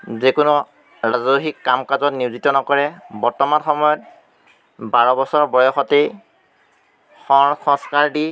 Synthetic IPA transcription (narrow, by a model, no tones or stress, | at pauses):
zekʊnu | ɹazɔxikːamkazɔtniʊzitɔnɔkɔɹɛbɔɹtɔmanxɔmɔjɔt̚ | baɹɔbɔsɔɹbɔjɔxɔtej | xɔxɔskaɹdi